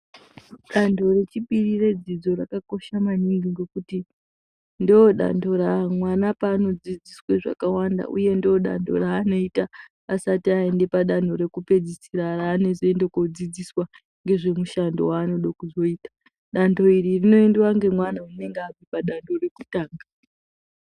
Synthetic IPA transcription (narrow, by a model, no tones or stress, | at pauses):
ɗando̞re̞t͡ʃipirire̞d͡zid͡zo̞rakako̞ʃamaniŋɡiŋɡe̞kuti | ndioɗa̰ndo̞ɾamwanapaːno̞d͡zid͡zisweʐa̰kawanda̰ʔṵje̞ndioɗa̰ndo̞̰raːno̞ita | asatiae̞nde̞paɗano̞ɾe̞kupe̞d͡zisiɾaraːne̞zoe̞ndekod͡zid͡ziswa | ŋɡe̞ʐe̞muʃandowaːno̞ɗokuzo̞iːtḁ | ɗando̞iririno̞endewaŋɡe̞mwanaune̞ŋɡapipaɗando̞re̞kutaːŋɡa